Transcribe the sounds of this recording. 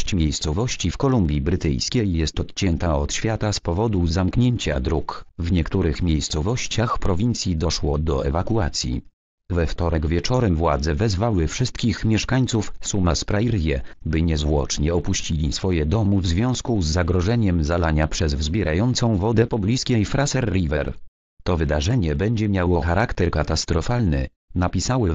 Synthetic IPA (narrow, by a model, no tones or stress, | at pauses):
t͡ɕmʲejst̪sɔvɔɕt͡ɕifkɔlumbʲjibɾɘt̪ɘ̰jskʲejɛst̪ɔt̪t͡ɕɛnt̪aɔt̪ɕfʲjat̪aspɔvɔd̪uzamkɲeɲt͡ɕa̰d̪ɾukvɲɛkt̪uɾɘxmʲjejst̪sɔvɔɕt͡ɕaxpɾɔvʲint̪sʲjid̪ɔʂwɔd̪ɔɛvakuat̪sʲjḭ | vɛft̪ɔɾɛɡvʲjɛt͡ʂɔɾɛmvwad̪zɛvɛzvawɘfʂɘst̪̚kʲixmʲjɛʂkaɲt̪sufsumaspɾaiɾjɛbɘɲɛzvwɔ̰t͡ʂɲɛɔpuɕt͡ɕilʲisfɔjɛd̪ɔmuvzvʲjɔ̃w̃skuzːaɡɾɔʐɛɲɛmzalaɲapʂɛzvzbʲjɛɾʔajɔnt̪sɔ̃w̃vɔd̪ɛpɔblʲiskʲɛjfɾʔasɛɾːivɛɾ | t̪ɔvɘd̪aʐɛɲɛbɛɲd͡ʑɛmʲjawɔxaɾakt̪ɛɾkat̪ast̪ɾɔfalnɘ̰ | napʲisawɘ